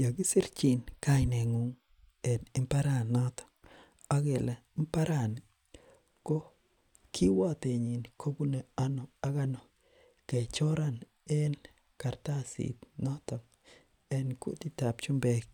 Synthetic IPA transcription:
ja˨ɡɪ˦sɪ˦ɾt͡ʃi˨nka˦ɪne˨ŋu˨ŋ | ɛ˨nɪ˦mpa˦ɾa˦˨nnːɔ˦t̪ɔ̥˨ | a˦ɡe˨la˨˦mpa˦ɾa˦˨n˨ | kɔ˦ | kʰi˦wa˦t̪e˨ɲi˨nkʰo˦ɡu˦ne˨a˦no˨a˦ɡa˦nɔ˨ | ke˨t͡ʃɔ˦ɾa˦n | ɛ˦n | ka˨ɾt̪a˦sḭ˨t̪nɔ˦t̪ɔ˨ŋ | ɛ˦nkṵ˦ti˦ta˨p̚t͡ʃu˦mbɛ˦k̚

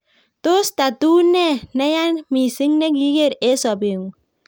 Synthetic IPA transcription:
t̪o˦st̪a˨t̪u˦nɛ˦na˦ja˦nmi˨si˦ŋnɛ˦ɡi˦ɡe˦ɾe˦sɔ˨be˨ŋ

